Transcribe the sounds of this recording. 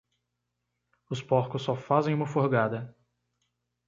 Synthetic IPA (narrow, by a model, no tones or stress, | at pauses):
ʊspɔɾkʊsːɔfazẽj̃ũmɐfoɾɡad̪ɐ